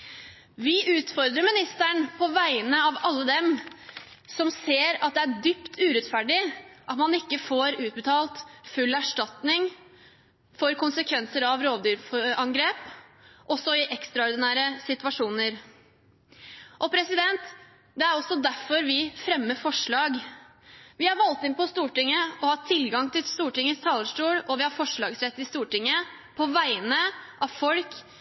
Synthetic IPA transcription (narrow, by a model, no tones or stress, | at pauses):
ʋɪʔʉːt̪fɔɾd̪ɾəɾmɪnɪst̪æɳpʰɔʋæɪnəɑʋɑlːəd̪ɛm | sɔmseːɾɑt̪̚d̪ɛæɖypt̪ʰʉːɾɛt̪fæɖɪʔɑt̪mɑnɪkːəfoːɾʉːt̪̚bət̪ʰɑːlt̪fʉlːæʂʈɑt̪nɪŋ | fɔɾkʊnsəkʰʋɛnsəɾɑʋɾoːʋd̪yːɾfɔɑŋɡɾeːpʔɔsːɔɪʔɛkst̪ɾɑɔɾd̪ɪnæːɾəsɪt̪ʉʋɑʂuːnəɾ | ʔɔpʰɾɛsɪd̪ɛnt̪ | d̪ɛæɾɔsːɔd̪æfɔɾʋɪfɾɛmːəfɔʂɭɑːɡ | ʋɪhɑɾʋɑlt̪ɪnpɔst̪uːʈɪŋːəɔhɑt̪ʰːɪlɡɑŋt̪ʰɪlst̪uːʈɪŋːəst̪ʰɑːləʂʈuːlɔʋɪhɑɾfɔʂɭɑːɡsɾɛt̪ːɪst̪uːʈɪŋːə | pʰɔʋæɪənəʔɑʋfɔlk